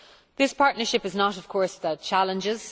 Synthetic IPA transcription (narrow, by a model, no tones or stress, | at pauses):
ðɪspʰaɹʔⁿnə˞ʃɪpɪznəɾəv̥kʰɔɹsðət͡ʃʰalə̃nd͡ʒɪz̥